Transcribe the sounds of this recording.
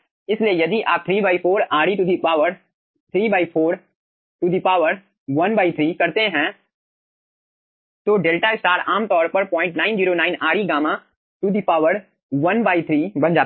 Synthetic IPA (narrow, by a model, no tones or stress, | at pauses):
ɪsliejɐd̪iʔaːp̚t̪ʰɾiːbaːipʰoːɾaːɽiʈud̪ipaːəɾ | t̪ʰɾiːbaːɪpʰoːɾ | ʈud̪ipaːʋəɾ | ʋɐnbaːɪt̪ʰɾiːkɐɾt̪eɦɛ̃ː | t̪oːɖeːlʈaɪsʈaːɾaːmt̪ɔːɾpɐɾpɔ̃ːɪ̃ɳʈnaːɪnd͡ʒiːɾoːnaːɪnaːɽiɡaːmã | ʈud̪ʱipaːʋəɽ | ʋɐnbaːit̪ʰɾiːbɐ̃nd͡ʒaː